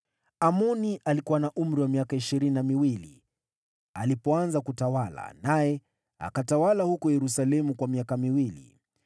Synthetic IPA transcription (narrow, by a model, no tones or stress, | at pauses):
amɔniʔalikuwanaʔum̩ɾiwamiakaiʃiɾininamiwilḭ | alipɔanzakutawala̰najɛ | a̰katawalahukɔjɛɾusalɛmukwamiakamiwilḭ